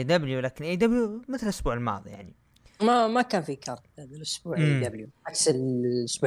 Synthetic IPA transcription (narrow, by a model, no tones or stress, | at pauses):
d̪abljulaːkɪnʔiːd̪abljumɪt̪lʔʊsbuːʕɪlmɑ̰ːðˤḭjaʕni | mamakaːnfikʰɑɾˤt̪̚ad̪ɪlʔʊsbuːʕd̪abljuʕaksɪlʔʊsbu